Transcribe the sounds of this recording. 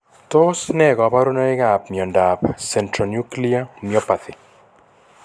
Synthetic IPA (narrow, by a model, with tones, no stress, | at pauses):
t̪o˦snɛ˦˨ɡɔ˨pa˦ɾo˦nɔ˦e˦ɡa˨p̚mjɔ˨nda˨psɛ˨ntɾɔ˨nju˦kli˦amjɔ˦pa˨t̪ɪ˨